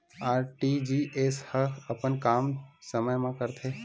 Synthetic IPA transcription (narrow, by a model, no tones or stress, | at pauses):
aːɾʈid͡ʒiːʔeshəkʰɐpənkaːmsəməjmãkəɾt̪ʰeː